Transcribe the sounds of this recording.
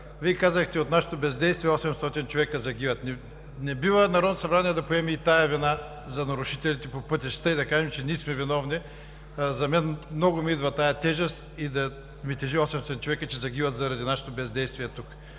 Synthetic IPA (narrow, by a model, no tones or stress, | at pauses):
viɛkazəxt̪ɛot̪naʃɛ̥t̪obɛzd̪ɛjst̪viɛɔsɛmst̪ɔt̪int͡ʃovɛkəzɐɡivɐt̪nɛ | nɛbivənɐɾɔd̪nosɐbɾaniɛd̪ɐpoɛmɛːt̪ajɐvina | zɐnɐɾʊʃit̪ɛlʲit̪ɛpopɤt̪ʲiʃst̪aid̪ɐkaʒɛmt͡ʃɛnismɛvinɔvni | zɐmɛnmnɔɡʊmiid̪vɐt̪ajɐt̪ɛʒəst̪id̪ɐ | mit̪ɛʒiɔsɛmsɔt̪int͡ʃovɛkət͡ʃɛzɐɡʲivɐt̪zɐɾɐd̪inaʃɛ̥t̪obɛzd̪ɛjst̪viɛt̪uk